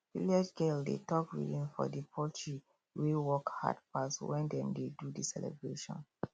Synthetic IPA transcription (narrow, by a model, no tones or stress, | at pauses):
viliad͡ʒɡeldḛtɔkwḭdĩmfɔ̰dipʰɔtʰɹi | wewɔkha̰dpaswɛ̃ndɛ̃mdedudisɛlɛ̰bɹeʃɔ̰̃n